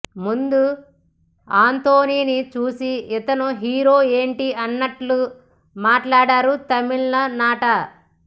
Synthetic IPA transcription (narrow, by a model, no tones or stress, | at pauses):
mund̪u | aːnt̪oːniːnit͡ʃuːsiit̪ɐnuɦiːɾo̞ːe̞ːɳʈiɐnːɐʈlu | maːʈlaːɽaːɾut̪ɐmiɭnɐnaːʈɐ